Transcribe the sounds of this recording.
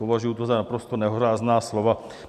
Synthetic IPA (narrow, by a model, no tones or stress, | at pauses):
ovaʒujut̪ozanapɾost̪onɛɦoɾaːznaːslova